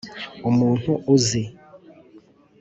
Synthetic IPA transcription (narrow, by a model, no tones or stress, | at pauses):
omũn̥uʔoze